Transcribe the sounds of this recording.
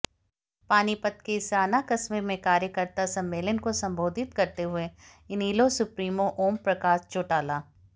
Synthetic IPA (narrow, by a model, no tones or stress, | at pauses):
paːnipɐt̪̚kesɾaːnakɐsmemẽkaːɾjəkəɾt̪asɐ̃mːeːlənkosɐ̃mbʱoːd̪ʱɪt̪kɐɾt̪eɦʊe | ɪniːlosʊpɾiːmoʔoːmpɾɐkaːʃt͡ʃoːʈaːlaː